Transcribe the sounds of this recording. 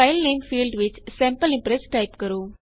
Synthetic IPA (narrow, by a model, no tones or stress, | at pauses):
aɪlnẽŋfiːlɖʋɪt͡ʃsɛmpəlɪ̃mpɾɛsʈɐɪpkɐɾũː